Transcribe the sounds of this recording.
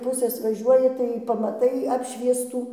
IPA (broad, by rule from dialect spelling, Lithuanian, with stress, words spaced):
ˈpʊsʲeːs ʋɐˈʒʲuɔjɪ tɐɪ pɐmɐˈtɐɪ ˈɑːpʲʃʲʋʲiɛstuː